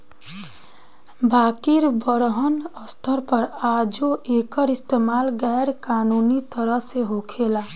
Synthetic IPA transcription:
baːkiɾbʌɾɦənəst̪ʰəɾpʌɾad͡ʒoʔekəɾist̪emaːlɡɛɾkanunit̪ʌɾʌseɦokʰela

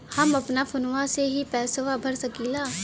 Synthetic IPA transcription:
hɐmɐpnafʊnʋaseɦipɛːsəʋabʱɐɾsɐkiːlaː

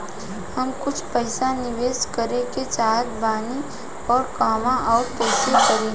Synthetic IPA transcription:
hɐmkʊt͡ʃʰpəɪsanɪʋeːskəɾeket͡ʃaːɦət̪baːni | ɔːɾkaːmãʔɔːɾpɛːsəkəɾẽː

